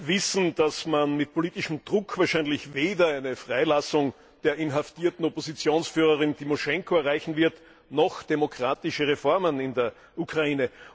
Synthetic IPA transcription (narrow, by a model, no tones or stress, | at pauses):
vɪsn̩d̥asmanmɪt̚pʰoliːtɪʃm̩d̥ʁʊkv̥aːɐʃæɪnlɪçveːdɐæɪnəfʁ̥aɪlasʊŋ | d̥eːɐɪnɦaftiːɐtn̩opozit͡sjoːnsfyːʁ̞əʁɪntʰimoʃɛŋkʰoɐʁaɪçn̩vɪɐt | nɔxd̥emokʁ̥aːtɪʃəʁefɔɐmənɪndeːɐ | ʔukʁ̥aiːnə